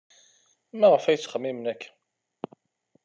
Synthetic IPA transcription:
mæʁəfæjt͡sːχəmːimnækː

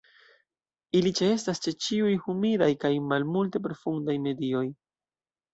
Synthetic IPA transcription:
ilit͡ʃe̞e̞stast͡ʃe̞t͡ʃiujhumiɾajkajmalmulte̞p̬ɾo̞fundajme̞dio̞j

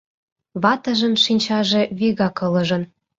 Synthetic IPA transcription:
βɑt̪ə̆ʒɤ̆nʃinʲt͡ɕɑʒĕβiɣɑkɤ̆lɤ̆ʒɤ̆n

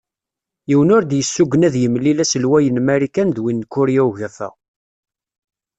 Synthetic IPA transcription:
jiwənʊɾd̪jəsːuɡːənæðjəmlːilæsəlwæjənmæɾikænðwinːkːʊɾjæʝəɾθæ̰

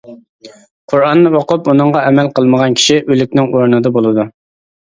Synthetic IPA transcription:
qʰʊɾɑnːɨoqʊpunɨŋʁɑɛmɛlqʰəlˠməʁɑnkʲʰi̥ʃiʔølyk̚ʲnɪŋoɾnɨd̪ɑbolˠɨd̪u

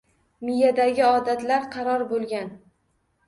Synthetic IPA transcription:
mɪjad̪aɡʲɪɒd̪at̪laɾqʰɑɾɒɾbolˠɡʲan

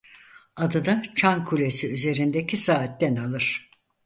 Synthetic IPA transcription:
ad̪ɯd̪at͡ʃʰankʰulʲesiyze̞ɾind̪ecʰʲisaːt̪ːɛnalˠɯɾ̥

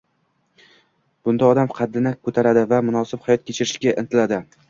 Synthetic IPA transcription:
b̥ʊnd̪aɒd̪amqʰɑd̪ːɪnɪkʰɵt̪ʰaɾad̪ɪvamʊnɒsɪbhajɒt̪̚kʲʰet͡ʃʰɪɾɪʃkʲaʔɪ̰nt̪ʰɪlad̪ɪ

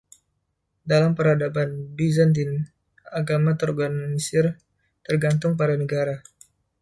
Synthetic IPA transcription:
dalampəɾhadapanbizant̪in | aɡamat̪ɔɾɡannisɪr | t̪ərɡant̪ʊŋpaɾanəɡaɾa

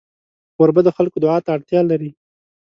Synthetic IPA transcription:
wəɾbad̪əxalkod̪ʊʕɑt̪aːɽt̪jɑlaɾi

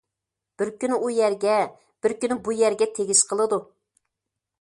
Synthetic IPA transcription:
b̥ɪɾkʲynujæɾɡʲɛ | b̥ɪɾkʲynbujæɾɡʲɛt̪ʰeɡʲiʃqʰəlˠɨd̪u

